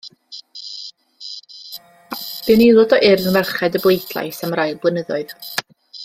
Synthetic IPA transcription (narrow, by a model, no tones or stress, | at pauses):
b̥ɨnejlˠɔdɔʔɪrənvɛrχɛdəblˠejdlˠa̰jsamrajlˠblˠənəðɔɨð